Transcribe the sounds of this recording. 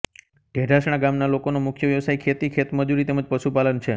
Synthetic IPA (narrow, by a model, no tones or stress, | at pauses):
ɖ̥ʱeɖʱaʃɽ̃aɡamnalokonomʊkʰjəʋjəʋsajkʰet̪ikʰet̪məd͡ʒuɾit̪eməd͡ʒpəʃupalənt͡ʃʰe